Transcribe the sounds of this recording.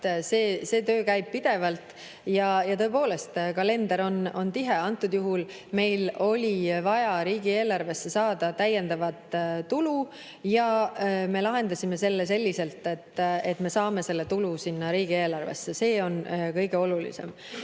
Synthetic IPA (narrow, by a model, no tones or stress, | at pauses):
seːse̞ːt̪ø̞ːkæjb̥̚pid̪̥e̞vɑlt̪ˑ | jɑjɑt̪ɤ̞e̞po̞ːle̞st̪kɑle̞nd̪̥ɑɾo̞no̞nt̪iɦeɑnt̪ˑːud̪̥juɦul | me̞jlo̞lʲivɑjɑɾiːɡ̥ie̞ːlɑrve̞sːe̞sɑːd̪̥ɑt̪æje̞nd̪̥ɑvɑt̪ˑt̪ulu | jɑme̞lɑɦe̞nd̪̥ɑsʲime̞se̞lːese̞lʲːise̞lt̪ˑe̞t̪ːe̞t̪ːme̞sɑːme̞se̞lːe̞t̪ulusinːɑɾiːɡ̥ie̞ːlɑrvḛsːe̞se̞ːo̞nkɤ̞jɡ̥e̞o̞lulḭse̞̰m